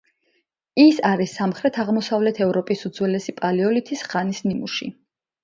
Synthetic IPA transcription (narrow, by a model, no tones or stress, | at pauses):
isaɾisːamχɾɛt̪ʰaʁmɔsavlɛt̪ʰɛvɾɔpʼisud̪zwɛlɛsipʼaliɔlit̪ʰisχanisnimuʃḭ